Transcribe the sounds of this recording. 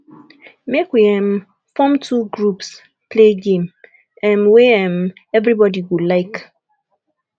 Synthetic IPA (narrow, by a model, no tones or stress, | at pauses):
mekwiɛ̃m | fɔ̃mtʰuɡɹups | pʰleɡẽm | ɛ̃mweɛ̃m | ɛvɾibɔdiwulaɪk